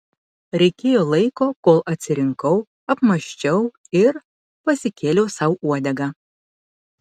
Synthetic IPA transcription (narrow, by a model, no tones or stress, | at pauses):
ɾʲɛɪkʲeːjoːlˠɐɪkoːkoːlˠʔɐt̪ʲsʲɪɾʲɪŋkɐʊ | ɐpmɐʃʲt͡ʃʲɛʊ | ɪɾ | pɐsʲɪkʲeːlʲɛʊsɐˑʊuɔd̪ʲɛɡɑː